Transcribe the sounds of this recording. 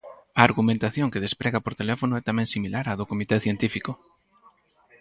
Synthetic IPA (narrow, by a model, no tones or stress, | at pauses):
aːɾɣumẽnt̪aθjoŋkeð̞espɾɛɣapoɾt̪elɛfonoɛt̪amɛ̃ŋsimilaɾaðokomit̪ɛθjent̪ifiko